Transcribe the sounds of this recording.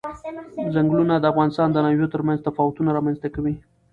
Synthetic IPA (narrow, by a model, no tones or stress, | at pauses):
zaŋɡlunad̪əafɣɑnɪst̪ɑnd̪ənaʒot̪əɾmanzt̪afɑwʊt̪unaɾɑmanzt̪akawi